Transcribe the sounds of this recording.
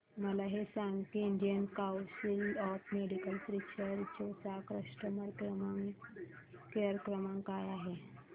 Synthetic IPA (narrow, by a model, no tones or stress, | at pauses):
məlaɦesaŋɡt̪iːɳɖijənkawsilɔfmeɽikəlpɾit͡ɕəɾt͡ɕosakɾəʂʈəməɽkɾəmaŋ | keəɾkɾəmãŋkajaɦe